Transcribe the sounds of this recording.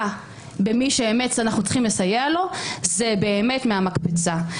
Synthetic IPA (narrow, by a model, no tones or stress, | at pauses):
bemiʃeeme̞tsanaχnut͡sχimlesajealo̞zebe̞ːme̞tmeamakpit͡sa